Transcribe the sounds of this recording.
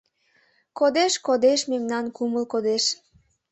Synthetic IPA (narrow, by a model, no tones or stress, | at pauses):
kod̪eʃkod̪eʃmemnɑnkuməlkod̪eʃ